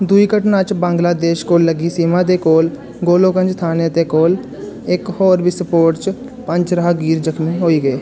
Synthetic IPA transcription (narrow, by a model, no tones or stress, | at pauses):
d̪uiːkəʈnaːt͡ʃbãːŋɡlaːd̪eːʃkoːlːəɡiːsiːmãːt̪eːkoːl | ɡoːlõːkə̃nd͡ʒt̪ʰaːnet̪eːkoːl | ɪkhoːɾbiːsəpoːɾʈt͡ʃ | pə̃ɲt͡ʃɾəɦɡiːɾd͡ʒəkʰmĩɦoːiːɡəeː